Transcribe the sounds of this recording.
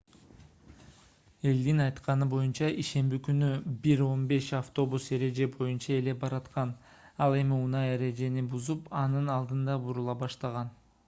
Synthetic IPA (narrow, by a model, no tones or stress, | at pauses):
e̞ld̪inɑjt̪qɑnɯbo̞junt͡ʃɑʔiʃe̞mbikynybiɾo̞nbe̞ʃɑft̪o̞buse̞ɾe̞d͡ʒe̞bo̞junt͡ʃɑe̞le̞bɑɾɑt̪qɑn | ɑlˠe̞miunɑje̞ɾe̞d͡ʒe̞nibuzupɑnɯnɑlˠd̪ɯnd̪ɑbuɾulˠɑbɑʃt̪ɑʁɑn